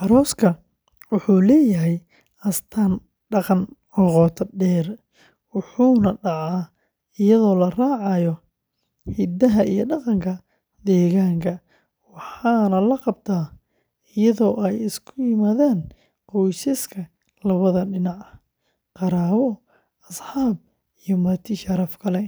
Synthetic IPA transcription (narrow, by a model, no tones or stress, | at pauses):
ʔɑɾɔːskʰɐ | wʊħuːlɛːjɐɦɛj | ʔɐst̪ʰaːn | ɖɑqɑn | ɔqɔːt̪ʰɐɖɛːr | wʊħuːnɐɖɑʕaː | ɪjɐðɔːlɐraːʕɑjɔ | hid̪ɐɦɐʔijɔɖɑqɑŋkʰɐ | d̪ɛːɣaːŋkʰɐ | wɑħɑːnɐlɐqɑb̚t̪ʰaː | ɪjɐðɔːʔɛjɪskʰʊjɪmaːðaːn | qɔjsɪskʰɐ | lɐβɐðɐɖɪnɑʕɐ | qɑɾaːwɔ | ɐsħaːb̚ | ijɔmɐrt̪ʰɪʃɐɾɐfkʰɐlɛ